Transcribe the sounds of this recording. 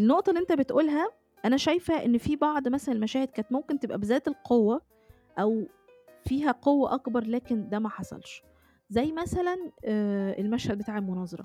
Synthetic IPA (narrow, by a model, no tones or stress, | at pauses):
enːoʔt̪ˤɑlːiʔent̪æbet̪ʔuːlɦæ | ʔænæʃæjfhæʔenːfiːbɑʕd̪ˤmæsælænmæʃæːhed̪̚kæːnet̪momkent̪ebʔæbezæːt̪elqʰowːæ | ʔæw | fiːɦæqowːæʔɑkbɑɾˤlæːkend̪æmæħɑsˤɑ̰lʃ | zæjːmæsælæn | elmæʃhæd̪̚bet̪aːʕelmonɑːzˤɑɾˤɑ̰